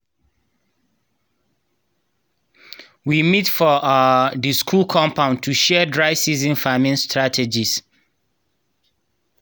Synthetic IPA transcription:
wimitfɔadəskʰulkʰɔ̃mpʰãʊ̃ntʰuʃɛdɹaɪsizĩnfamĩnstɹatʰɛd͡ʒis

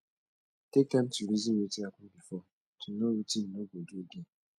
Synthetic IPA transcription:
tekan̩tuɾizimwetiakʊbifɔ | tʰunowutin̩noɡoɡeɡe

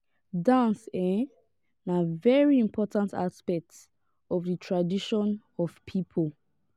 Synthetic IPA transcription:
dãnsɛ | navɛɹiĩmpʰɔtãntʰa̰spɛk̚t | ɔvðətʰɹadiʃɔ̃n | ɔv̥pʰipʰolˠ

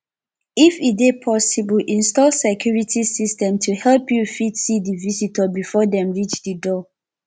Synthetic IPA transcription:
ifiepʰɔsibɔlʔĩnstɔlsɛkʰjuɹitʰisistɛ̃mtʰuhɛlpjufidsidivisitəbifɔdɛ̃mɹit͡ʃdədɔ

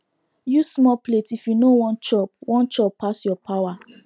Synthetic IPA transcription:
jusmɔpletifjunowɔ̃nt͡ʃɔp̚wɔ̃nt͡ʃɔpːasjɔpʰawa

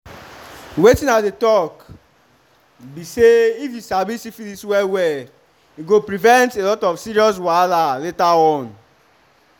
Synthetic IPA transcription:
wetĩnatdetɔk | biseifisabisifiliswɛwɛ | iɡopɾivɛ̃ntelɔtɔfsiɾiɔs̬walaletaɔ̃n

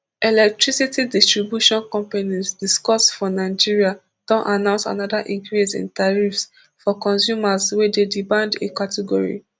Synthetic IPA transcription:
ɛlɛk̚tɹisitidistɹibjuʃɔ̃nkɔ̃mpanisdiskɔsfɔnaɪd͡ʒiɹia | d̥ɔ̃nʔanãʊ̃nsa̰nɔdaʔĩŋkɹisḭ̃ntaɹifs | fɔkɔ̃nsjumaswɛdedimãndekatʰɛɡɔɹḭ

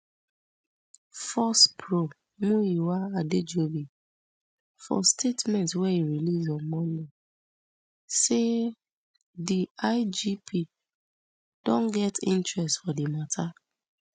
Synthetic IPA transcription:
fɔspʰɹo | mũiwaaded͡ʒobi | fɔ̰stʰetmɛ̃ntwɛiɹilizɔmɔni | se | diaɪd͡ʒipʰi | d̥ɔ̃nɡɛtḭ̃ntɹɛstfɔdimatʰa

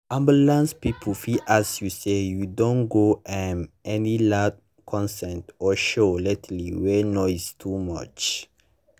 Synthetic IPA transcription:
ʔãmbulãnspipʰfiʔasjusejudõnɡoʔɛnɛnilad̚ | kʰɔ̃nsɛ̃ntɔʃoletʰliwɛnɔɪstʰumʌ̰t͡ʃ

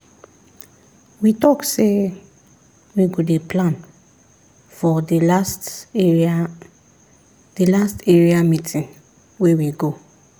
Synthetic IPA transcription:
witɔkse | wiɡodeplãn | fɔdist | d̥ilasteɹiamĩtʰĩn | wewiɡo

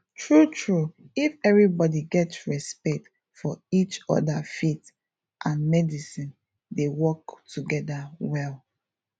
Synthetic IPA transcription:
tʰɹutʰɹuifɛvɹibɔdiɡɛtɹɛspɛk̚t | fɔit͡ʃɔ̰dafit | ʔãnmɛdisĩn | dewɔktuɡɛdawɛl

